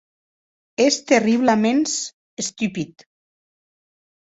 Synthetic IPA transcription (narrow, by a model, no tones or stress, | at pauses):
est̪eriβlamens | est̪ypit̪